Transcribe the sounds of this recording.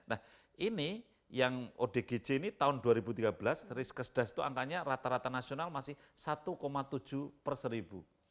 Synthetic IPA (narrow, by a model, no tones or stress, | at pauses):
nah | ʔini | jaŋoɖ̥e̤ɡ̥e̥d͡ʒ̥einit̪aʊnduaɾibut̪iɡ̥abəlasrɪskəsd̥asi̥t̪ua̰ŋkaɲaɾat̪aɾat̪anasionalmasɪh | sat̪ukomat̪u̥d͡ʒʒ̥ṳpərsəɾib̥u